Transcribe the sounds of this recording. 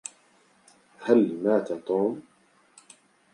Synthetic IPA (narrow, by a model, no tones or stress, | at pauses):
halmaːt̪at̪ˤoːm